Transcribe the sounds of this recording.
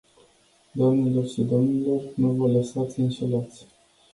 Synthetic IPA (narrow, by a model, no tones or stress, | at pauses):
d̪oamnelo̞rʃid̪omnilo̞rnuvələsat̪sʲɨnʃelat̪sʲ